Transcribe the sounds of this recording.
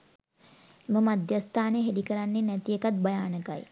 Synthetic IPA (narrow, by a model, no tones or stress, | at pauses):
eməmad̪jast̪ʰaːneɦelikəɾanːenɛt̪iekat̪̚bɐjaːnəka̰j